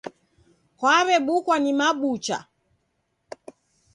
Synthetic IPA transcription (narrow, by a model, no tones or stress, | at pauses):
kwaβɛɓukwanimaɓut͡ʃa̰